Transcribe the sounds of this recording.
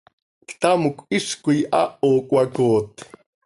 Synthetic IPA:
kt̪amʊkʷiʂkʊjʔa̰ʔoːkʼwakoːt̪

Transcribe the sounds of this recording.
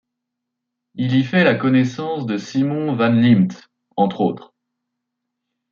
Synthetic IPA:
ilifɛlakɔnɛsɑ̃sd̪əsimɔ̃vanlimt̪ | ɑ̃t̪χot̪χ

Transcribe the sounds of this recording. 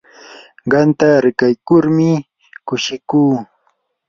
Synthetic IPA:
ɢɑnt̪aɾɪkajkʊɾmɪ | kʊʃɪkuː

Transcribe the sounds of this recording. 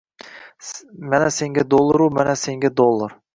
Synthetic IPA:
manase̞ŋɡʲad̪olˠːaɾumanase̞ŋɡʲad̪olˠːaɾ

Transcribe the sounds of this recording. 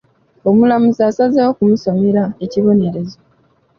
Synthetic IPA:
omulamuzasazewokumuso̞meɾaeciβo̞ne̞ɾe̞zo

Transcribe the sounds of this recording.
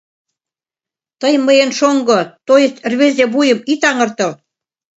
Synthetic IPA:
t̪əjməjənʃoŋɡŏt̪ojə̆t̪rβezeβujə̆mit̪ɑŋɤ̆rt̪ɤ̆l

